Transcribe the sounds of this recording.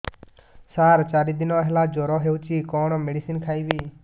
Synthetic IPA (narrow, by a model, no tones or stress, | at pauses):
saːɾt͡ʃaːɾiːd̪ɪnoːɦɛlaːd͡ʒoːɾɔːɦeːut͡ʃiːkɔːɳmeːɽiːsiːnkʰaːiːʋiː